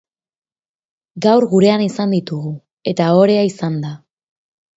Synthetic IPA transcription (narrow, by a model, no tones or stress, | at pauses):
ɡawɾɣuɾe̞anisand̪it̪uɣu | e̞t̪ao̞ɾe̞aisand̪a